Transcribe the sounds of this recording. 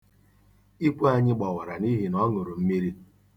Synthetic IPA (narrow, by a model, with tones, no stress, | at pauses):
i˦kʷu˦a˦ɲɪ˦ɡ͡ba˨wa˨ɾa˨ni˦ɦi˨nɔ˦ŋʊ˨ɾʊ˨m̩˦mi˦ɾi˦